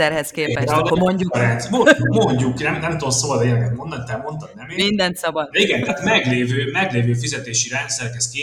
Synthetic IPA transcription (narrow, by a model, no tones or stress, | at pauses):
ɛrhɛskeːpɛʃamo̞ɲɟukɾɛnsmomoɲɟuknɛmnɛmt̪oot̪sobɒd̪eːɾɡɛt̪mo̞nd̪ɒɲʲt̪ɛmo̞nt̪ɒnnɛmeːmind̪ɛnt̪sɒbɒd̪d̪ɛiɡɛnt̪ɛːt̪mɛɡleːvøːmɛɡleːvøːfizɛt̪eːʃiɾɛnt̪sɛɾkɛst̪keː